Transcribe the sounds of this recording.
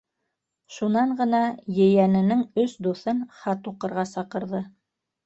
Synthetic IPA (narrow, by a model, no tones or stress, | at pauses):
ʃunɑɴɢɤ̆nɑjɘ̆jænɘ̆nɘŋɵsd̪uθɤnχɑt̪uqɤ̆ɾʁɑsɑqɤ̆ɾðɤ